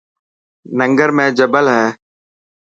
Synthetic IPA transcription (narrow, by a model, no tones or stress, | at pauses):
nəŋɡəɾmẽːd͡ʒəbəlɦɛː